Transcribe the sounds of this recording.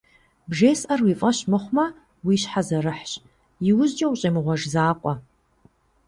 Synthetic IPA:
bʒeːsʔɐrwiːfʼɐɕmɨχʷmɐ | wiːɕħazɐrɨħɕ | jɪwʊʑd͡ʒʼɐwɕʼemɨʁʷɔʒzaːqʷʼɔ

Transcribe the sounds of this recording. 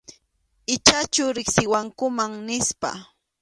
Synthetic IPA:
ɪt͡ʃat͡ʃʊɾɪksɪwaŋkʊmaŋnɪspa̰

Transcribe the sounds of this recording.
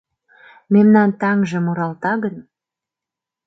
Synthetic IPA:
memnɑnt̪ɑŋʒə̆muɾɑlt̪ɑɣən

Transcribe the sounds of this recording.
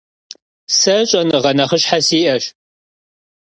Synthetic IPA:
sɐɕʼɐnʁɐnɐχəɕħasiːʔɐɕ

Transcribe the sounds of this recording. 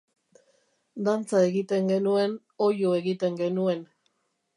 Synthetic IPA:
d̪ant͡sae̞ɣit̪e̞ŋɡe̞nue̞n | o̞jue̞ɣit̪e̞ŋɡe̞nue̞n

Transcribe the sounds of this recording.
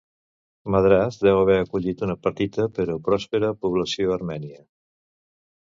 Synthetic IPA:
məðɾazd̪ɛwəβɛəkuʎit̪unəpəɾt̪it̪əpəɾopɾɔspeɾəpuβləsioəɾmɛniə

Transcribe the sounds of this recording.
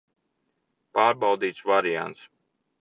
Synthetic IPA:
paːɾbawd̪iːt̪svaɾija̰nt̪s

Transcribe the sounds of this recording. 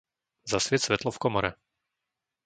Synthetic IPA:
zasʋɪɛt̪sʋɛt̪lɔfkɔmɔɾɛ

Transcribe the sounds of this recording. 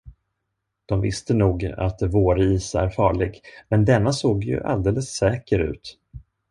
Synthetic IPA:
d̪̥ɔmvɪst̪ənuːɡa̰t̪voːɾiːsæ̰ɾfɑːɭɪɡmɛnd̪ɛnːasoːɡjɵ̰ʔa̰ld̪eːləsːɛːkəɾʉ̟̰ːt̪

